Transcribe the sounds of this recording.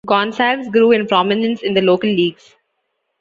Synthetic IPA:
kɔ̃ːnsɛsɡɾuːɪ̃npɾɔːmɪnə̃nsɪ̃nd̪əloːkəlːiːɡz̥

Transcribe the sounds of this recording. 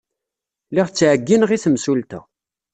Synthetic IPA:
liʁt͡sːʕəɡːinʁiθəmsult̪æ̰

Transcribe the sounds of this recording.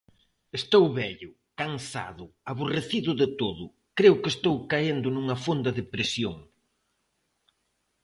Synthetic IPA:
est̪owβɛʎʊ | kaŋsa̰ðʊaβoreθiðʊðɪt̪oðʊ | kɾeʊkɪest̪owkaend̪ʊnuŋɐfond̪ɐðɪpɾesjoŋ

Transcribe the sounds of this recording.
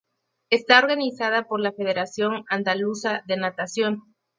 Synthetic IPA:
e̞st̪ao̞ɾɣanisað̞apo̞ɾlafe̞ð̞e̞ɾasjo̞ŋand̪alusaðe̞nat̪asjo̞n

